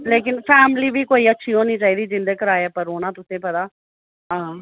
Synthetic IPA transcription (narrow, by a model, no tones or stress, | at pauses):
leːk̬ɪnpʰɛːmliːbiːkoːiːətːʃʰiːɦoːniːt͡ʃaːɦiːd̪iːd͡ʒɪ̃nd̪əkəɾaːeeːpəɾoːnãːt̪ʊsẽːpət̪aː | ɦãː